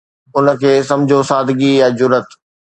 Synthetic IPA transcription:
ʊnə̆kʰeːsɐ̃md͡ʑʱosaːd̪ʱɡijad͡ʑʊɾət̪

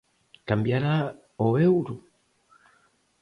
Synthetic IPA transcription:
kambjaɾa | oeuɾu

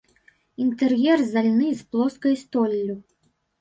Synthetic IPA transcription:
int̪ɛrjɛrzalʲnɨsplˠɔskɐjst̪ɔlʲːu

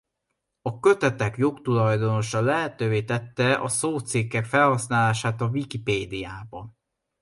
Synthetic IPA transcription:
ɒkø̞t̪ɛt̪ɛkjo̞kt̪ulɒjd̪o̞no̞ʃɒlɛɦɛt̪øːveːt̪ɛt̪ːɛʔɒ̰soːt̪sikːɛkfɛlhɒsnaːlaːʃaːt̪ɒvikipeːd̪ijaːbɒn

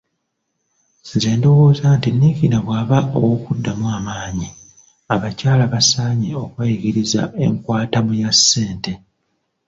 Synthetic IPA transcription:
ze̞ːndo̞wo̞ːzantinːikinaβwaːβaʔo̰wokudːamuaːmaːɲi | aβacaːlaβasaːɲeo̞kwajiɡiɾiza̰e̞̰ŋkwaːtamujasːe̞ːnte̞

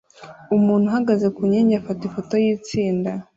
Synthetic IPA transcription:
umuːn̥huɦaɡaze̞kuɲeːɲɟafatifo̞to̞jiːt͡siːnda

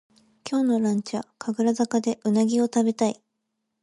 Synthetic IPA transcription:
kʲo̞ːno̞ɾãɲ̟t͡ɕakʰaɡɯ̟ɾazakad̪e̞ʔɯ̟naɡʲio̞t̪abe̞t̪ai

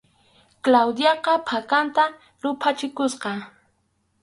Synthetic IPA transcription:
klawd̪jɑqɑpʰakant̪a | ɾʊpʰat͡ʃɪkʊsqɑ

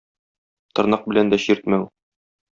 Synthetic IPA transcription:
t̪ɤ̆ɾnɑq̚bɘ̆lænd̪æɕiɾt̪̚mæw

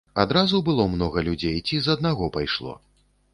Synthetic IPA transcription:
ad̪ɾazubɨlˠɔmnɔɣɐlʲud͡zʲejt͡sʲizɐd̪̚naɣɔpajʂlˠɔ̰

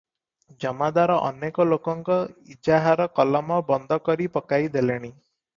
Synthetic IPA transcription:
d͡ʒɔmad̪aɾɔʔɔ̰nekɔlokɔŋkɔid͡ʒaɦaɾɔkɔlɔmɔbɔnd̪ʱɔkɔɾipɔkajd̪eleɽ̃i

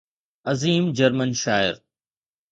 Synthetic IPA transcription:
ɐziːmd͡ʒɐɾmənʃaːɪ̰ɾ

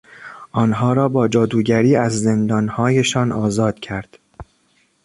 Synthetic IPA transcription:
ʔɒːnɦɒːɾɒːbɒːd͡ʒɒːd̪uːɟæɾiːæzːe̞nd̪ɒːnhɒːje̞ʃɒːnʔɒːzɒːd̪̥cʰæɾd̪̥

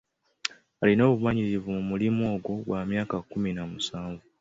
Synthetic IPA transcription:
alino̞ːβumaɲiɾivumumulimoːɡwoβwamjaːkakuminamusaːɱvu

